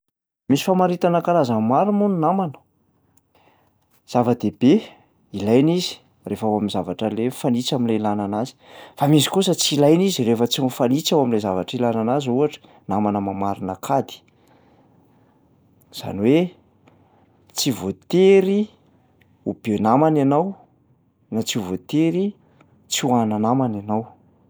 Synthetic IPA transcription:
misi̥famaɾit̪anəkaɾazəmmaɾimuninamanə̥ | z̥avəd̪ebe | ilajnizi̥ | refawaminzavaʈ͡ʂəlefanit͡saminlelananazi̥famizi̥kusət͡silajnizirefət͡sifanit͡sawaminlezavaʈ͡ʂilananazuaʈ͡ʂə̥ | namanəmamaɾinakʰad̪i̥ | z̥a̰nwe | t͡sivot̪eɾi | ubenamananaw | nat͡sivot̪eɾi | t͡suananamananaw

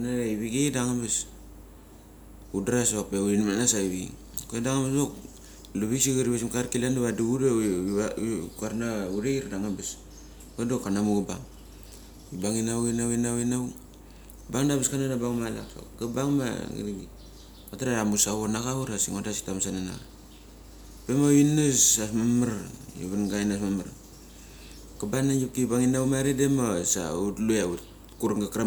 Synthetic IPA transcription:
kanaɾaiβiɡidaŋabes | udɾasapeuinmanasaiβiɡḭ | koedaŋabesdok | luβiksiɡiɾibasimkaɾkilanaβaduuda | kuaɾnauɾeiɾdaŋabes | kodokːanamuɡabaŋ | ibaŋinawinawinawinaw | baŋdabiskananabaŋmalaka̰ɡabaŋma̰ɡḭɾiɡi | kataɾaɾamusawonaɡauɾasiŋodasi̥tamsanana̰ɡa̰ | pemawinasasmamaɾjṵβanɡajnasmamaɾ | kabanad͡ʒup̚kibaŋinawmaɾedemasa̰utluaut | kuɾŋɡakɾa

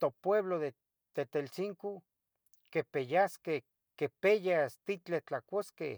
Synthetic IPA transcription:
t̪opweβloðe | t̪et̪elt͡siŋko | kepejaske | kepejast̪it͡ɬet͡ɬakoskḛ

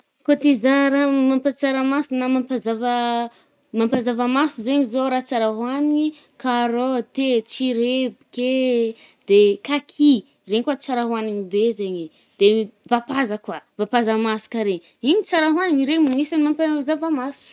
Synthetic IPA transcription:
kot̪izaɾamampat͡saɾamasunamampazavə | mampazavamasuzeɲizoɾat͡saɾaɦwanii | kaɾot̪et͡siɾebike | d̪̥ekakʰi | reɲkwat͡saɾaɦuaniŋibezeɲi | d̪̥evapazakwavapazamasu̥kaɾeɲ | iɲit͡saɾaɦwaniŋiɾeɲimamisanimampazavamasu̥

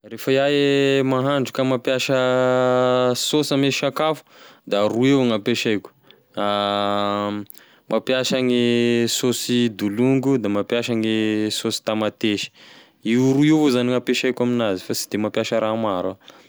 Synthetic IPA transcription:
refajaemaɦaɳɖ͡ʐukamapjaʃə | sosəmeʃakafu̥d̪aɾuewŋapeʃajkʲu̥ | a | mʔapjaʃaŋisosid̪uluŋɡud̪amapjaʃaŋisosi̥t̪amat̪eʃi̥ | iuɾuevozaniŋapeʃajkʲaminazifasi̥d̪̥emapjaʃəɾʔamaɾa

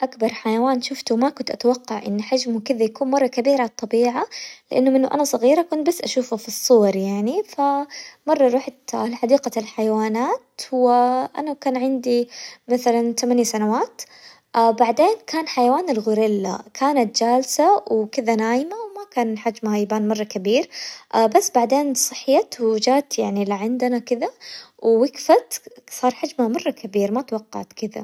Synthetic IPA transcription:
ʔakbɑɾˤħajawaːnʃʊft̪umakʊnt̪ʔat̪awɑqːɑʕʔɪ̰nːħad͡ʒmukɪðajakuːnmɑrˤːɑkabiːɾat̪ˤːɑbiːʕalɪʔanːʊmɪnːʊʔanasˤɑɣiːɾakʊnt̪basːʔaʃuːfafisˤːʊwɑɾˤjaʕnifamɑrˤːɑɾˤuːħat̪lħad̪iːqalħajawaːnaːt̪hʊwaʔa̰nakaːnʕɪnd̪imaθalant̪amanjasanawaːt̪ | ʔbaʕd̪eːnkaːnħajawaːnɪlɣʊɾɪlːa̰kʰaːnat̪̚d͡ʒaːlsawkɪðanaːjɪmawmakaːnħad͡ʒmhajɪbaːnmɑrˤːɑkabiːɾʔbasːbaʕd̪eːnsˤɨħːjat̪wd͡ʒaːt̪jaʕnilɪʕɪnd̪anakɪðawwɪkfat̪sˤɑːɾˤħad͡ʒmamɑrˤːɑkabiːɾmat̪wɑqːɑ̰ʕt̪kɪða̰

